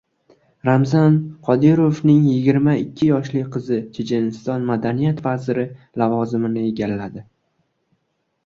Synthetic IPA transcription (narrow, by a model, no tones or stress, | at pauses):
ɾamzanqʰɒd̪ɪɾofnɪŋjɪɡʲɪɾmaɪkʲʰːɪjɒʃlɪqʰɨzɪt͡ʃʰed͡ʒenɪst̪ɒnmad̪anijat̪vazɪɾɪ | lavɒzɪmɪnɪeɡʲalːad̪ɪ